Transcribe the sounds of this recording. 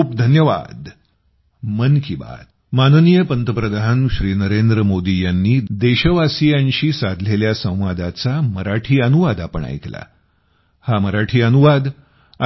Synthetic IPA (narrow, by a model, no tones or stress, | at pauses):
uːpd̪ʱənjəʋa̰d̪ | mənkiba̰t̪ | manənijəpənt̪əpɾəd̪ʱaɦənɕɾiːnəɾend̪ɾəmod̪ijanːiːd̪eɕəʋasijãɲɕiːsad̪ʱleljasə̃w̃ʋad̪at͡saməɾaʈʰiːənuʋad̪apəɳa̰jkla̰ | haməɾaʈʰiːənuʋad̪ | a